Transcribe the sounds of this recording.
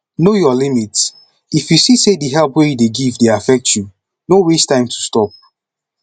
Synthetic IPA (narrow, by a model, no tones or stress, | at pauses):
nojɔlimits | ifjusisediɦɛlˠpwejudeɡivdeafɛk̚tʰju | nowestãɪ̃mtʰu̥stɔp̚